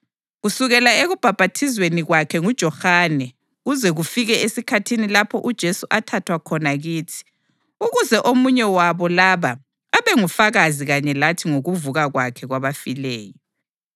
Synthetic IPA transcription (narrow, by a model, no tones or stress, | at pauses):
ɣusuɣɛlaeɣub̥ʱab̥ʱatʰizweniɣwakʰɛŋud̥ʒ̥ʱɔhanɛ | ɣuzɛɣufiɣɛesikʰatʰinilapʰɔʔud̥ʒ̥ʱesuʔatʰatʰwakʰɔnaɣiːtʰi̥ | uɣuzɛʔomuɲɛwaβɔlaβaː | βɛŋufaɣaziɣaɲɛlatʰiŋoɣuvuɣaɣwakʰɛɣwaβafilɛːjɔ